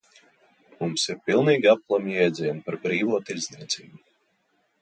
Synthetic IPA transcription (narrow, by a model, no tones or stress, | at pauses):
mumsiɾpilˠniːɡʲiap̚klˠamjɛjd̪ziɛnpaɾbɾiːvuːt̪iɾzniɛt̪siːbu